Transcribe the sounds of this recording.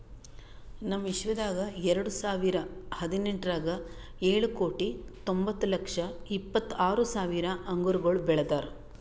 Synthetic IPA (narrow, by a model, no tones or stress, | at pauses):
nɐmːiʃʋɐd̪aːɡɐɛɾɐɽusaːʋiɾɐhɐd̪ineɳʈɾaːɡɐ | eːɭuko̞ːʈit̪ombɐt̪ːulɐkʂɐipːɐt̪ːaːɾusaːʋiɾɐʔɐŋɡuɾuɡɐɭubɛɭɐd̪aːɾ